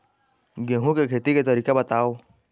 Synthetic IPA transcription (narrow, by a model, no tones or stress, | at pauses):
ɡẽːɦũkekʰeːt̪iket̪ɐɾiːkebɐt̪aːo